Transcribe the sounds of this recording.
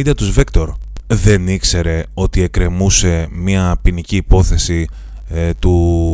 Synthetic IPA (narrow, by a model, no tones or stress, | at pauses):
d̪ɐt̪uzvikt̪o̞ɾðe̞nikse̞ɾe̞o̞t̪ie̞kɾe̞muse̞mɐpiniciːpo̞θe̞si | t̪u